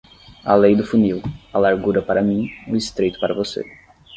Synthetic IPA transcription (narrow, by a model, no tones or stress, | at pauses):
a̰lejd̪ʊfuniwɐlaɾɡuɾɐpaɾɐmĩʊist̪ɾejt̪ʊ̥paɾɐvosḛ